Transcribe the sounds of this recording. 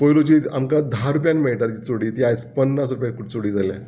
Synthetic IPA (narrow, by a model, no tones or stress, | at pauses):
pojlot͡ɕiːamkad̪ʱaɾup̬janmeɭʈaɾt͡ɕiːt͡soɽiːt̪iajt͡spənːas̬ɾupjãkuʈt͡soɽiːd͡zalã